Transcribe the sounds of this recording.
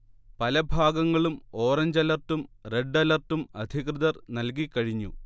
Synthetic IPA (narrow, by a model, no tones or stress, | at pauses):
pɐlɐbʱaːɡɐŋːɐɭumo̞ːrɐɲd͡ʑɐlɐrtumreɖːɐlɐrtːumɐd̪ʱikrɨðɐrnɐlk̬ikːɐɻiɲːṵ